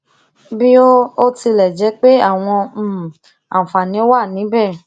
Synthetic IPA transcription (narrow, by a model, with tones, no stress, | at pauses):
bi˦o˦o˦ti˧lɛ˨d͡ʒɛ˨˦k͡pe˦a˦˨w̃ɔ̃˧˨ | a˨fa˨nĩ˨˦o˦wa˦˨nĩ˨˦bɛ˦˨